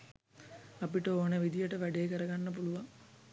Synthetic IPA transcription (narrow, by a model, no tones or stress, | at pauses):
ɐpiʈɐoːneʋid̪ijəʈəʋæɖejekəɾɐɡɐnːɐpuluʋɐŋ